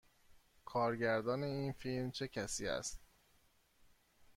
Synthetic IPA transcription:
kʰɒːɾɟæɾd̪ɒːne̞iːnfilmt͡ʃʰe̞cʰæsiːæ̰st̪̚

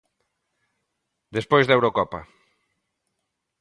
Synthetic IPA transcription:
d̪espojzðewɾokɔpɐ̰

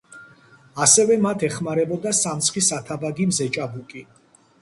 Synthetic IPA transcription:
asɛvɛmat̪ʰɛχmaɾɛbɔd̪asamt̪sʰχisat̪ʰabaɡimzɛt͡ʃʼabukʼi

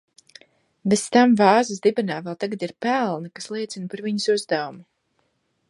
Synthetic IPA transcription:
best̪amvɑːzɨsd̪ibɛnaːvɛlˠt̪aɡad̪iɾpælˠnɐkaslˠiɛt̪sinpaɾviɲusuzd̪awumu

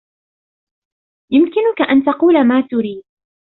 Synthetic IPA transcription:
jʊmkɪnʊkaʔant̪ɑquːlamaːt̪ʊɾiːd̪̚

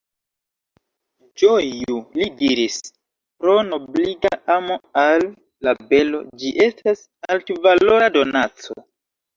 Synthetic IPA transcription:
d͡ʒojulidiɾis | pɾo̞nobliɡaʔamo̞alː | abe̞lo̞̰d͡ʒiʔe̞stas | altvalo̞ɾado̞nat͡so̰

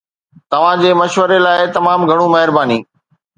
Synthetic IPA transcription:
t̪ɐʋ̤ãd͡ʑeːmɐʃʋəɾelaːɪt̪ɐmaːmɡʱɐɽ̃ũmɐɦɪɾbaːniː

